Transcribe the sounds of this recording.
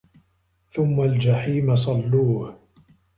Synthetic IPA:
θʊmːald͡ʒaħiːmas̬ˤɑlːuːh

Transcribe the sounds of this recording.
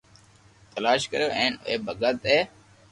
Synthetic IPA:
t̪əlaːʃkəɾjoːʔẽːnḛːbʱəɡət̪eː

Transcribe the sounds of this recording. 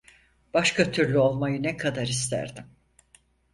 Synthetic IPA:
b̥aʃkʰat̪ʰyɾlʲyo̞lˠmajɯnɛkʰad̪aɾist̪ʰæ̰ɾd̪im

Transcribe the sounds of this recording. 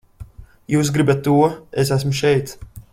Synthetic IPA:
juːs̬ɡɾibat̪ːuɔes̬æs̬muʃɛjt̪s

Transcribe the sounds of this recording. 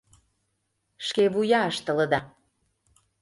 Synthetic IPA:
ʃkeβujɑəʃt̪ə̆lə̆d̪ɑ

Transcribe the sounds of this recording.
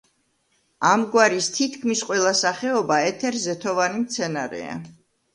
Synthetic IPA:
amɡwaɾist̪ʰit̪ʰkʰmisqʼwɛlˠasaχɛɔbaɛt̪ʰɛɾzɛt̪ʰɔvanimt̪sʰɛnaɾɛ̰a̰

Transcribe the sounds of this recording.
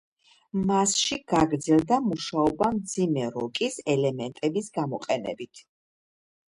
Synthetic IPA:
masʃiɡ̥aɡɾd̪zɛlˠd̪amuʃaɔbamd̪zimɛɾɔkʼisɛlɛmɛnt̪ʼɛbisɡamɔqʼɛnɛ̰bit̪ʰ

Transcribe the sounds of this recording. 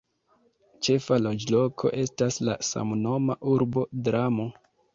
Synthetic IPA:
t͡ʃe̞falo̞d͡ʒlo̞kʰo̞̰ʔe̞stasla̰sa̰mno̞maʔuɾbo̞dɾamo̞

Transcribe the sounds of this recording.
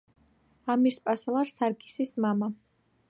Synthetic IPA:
amiɾspʼaslˠaɾsaɾɡʼi̥sismama

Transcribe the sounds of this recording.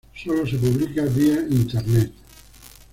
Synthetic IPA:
solosep̬uβlikaðiaint̪eɾnet̪

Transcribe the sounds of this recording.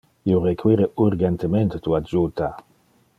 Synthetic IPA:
iorekʰwiɾeuɾɡent̪ement̪et̪uad͡ʒut̪a

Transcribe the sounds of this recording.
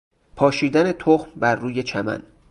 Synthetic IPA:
pʰɒːʃiːd̪æne̞t̪ʰoxmbæɾːuːje̞t͡ʃʰæmæ̰n

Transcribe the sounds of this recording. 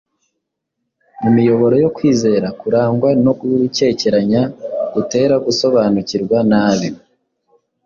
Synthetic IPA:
mumijo̞βo̞ɾo̞jo̞kwiːze̞ːɾakuɾaːŋɡwano̞ɡuɾuce̞ːce̞ɾaɲaɡ̥ute̞ːɾaɡuso̞βanuciɾɡwanaːβi

